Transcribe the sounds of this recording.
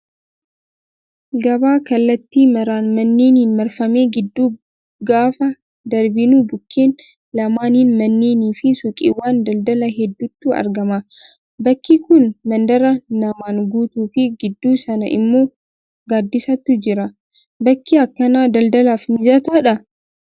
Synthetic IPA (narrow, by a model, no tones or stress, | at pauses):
ɡɐbaːkɐlːɐt̪ːiːmɐɾaːnmɐnːe̞ːniːnmɐɾfɐme̞ːɡɪd̪ːuː | ɡaːfɐ | d̪ɐɾbɪnuːbʊkʰːeːn | lɐmaːniːnmɐnːe̞ːniːfɪsʊkʼḭwːaːnd̪ɐld̪ɐlɐɦɛd̪ːʊt̪ːuːʔɐ̰ɾɡɐmɐ | bɐkːikʊnmɐnd̪ɐɾɐnɐmaːŋɡuːt̪uːfɪɡɪd̪ːuːsɐnɐʔɪ̰mːo̞ː | ɡaːd̪ːɪsɐt̪ːʊd͡ʒɪɾɐ | bɐkːiɐkːɐnaːd̪ɐld̪ɐlaːfmɪzɐt̪aᶑɐ